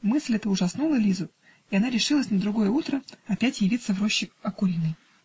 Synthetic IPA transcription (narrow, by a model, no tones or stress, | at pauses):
mɨsʲlʲɛt̪əʊʐɐsnulˠəlʲizʊ | iɐnaɾʲɪʂɨlˠəsʲnəd̪ɾʊɡo̞jəut̪ɾəɐpʲætʲjɪvʲit̪səvɾo̞ɕːɪkɐkʊɾʲinːɨj